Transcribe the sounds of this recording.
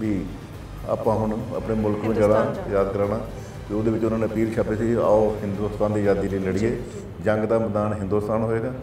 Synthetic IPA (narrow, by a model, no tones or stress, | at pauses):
ʋiː | a̰ːpãːɦʊɳə̰pɳeːmʊlkmɪ̃d͡ʒəɽaːjaːd̪kəɾaːɽaː | ʋiʊd̪eːʋɪt͡ʃʊnãːnepiːɾt͡ʃʰaːpeːsiːa̰ːoːɦɪnd̪uːst̪aːnd̪iːd͡ʒaːd̪iːləːləɽiːeː | d͡ʒə̃ŋɡd̪aːbəd̪aːnɦɪ̃nd̪uːst̪aːnɦoːeːɡaː